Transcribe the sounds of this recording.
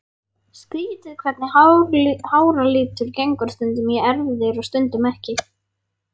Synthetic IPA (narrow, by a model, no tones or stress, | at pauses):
skiːt̪ɪðkʰvɛt̪nɪhahaːwɾaliːp̚t̪ʰɪlcejŋkɔɾ̥st̪ʏnt̪̬ʏmjɛɛɾvɪðɪɾɔɣst̪ʏnt̪ʏmɛhcɪ